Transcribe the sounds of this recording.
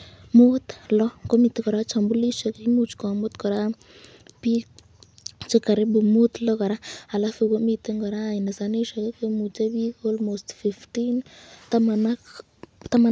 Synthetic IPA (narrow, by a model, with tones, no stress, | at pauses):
mo˦t̪lɔ˦ko˦mi˨t̪e˦kɔ˨ɾa˦t͡ʃa˨mbu˦li˦ʃo˨kimu˦t͡ʃkɔ˨mʊ˦t̪kɔ˨ɾa˦ | pi˦ | t͡ʃɪ˦ka˨ɾe˦bu˨mu˦t̪lɔ˦ka˨ɾa˦a˨la˦fu˨ko˦mi˨t̪e˦ŋɡɔ˨ɾa˦˨ɪ˨ne˨sa˨ni˦ʃo˨ke˦ke˦mu˨t͡ʃa˦bi˦ko˦lmostfi˨fti˦ntmn | t̪a˦ma˨